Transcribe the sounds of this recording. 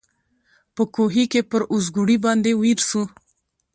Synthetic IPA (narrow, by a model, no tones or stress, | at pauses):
pəkoɦikepəɾʊzɡuɽibɑnd̪ewiɾsu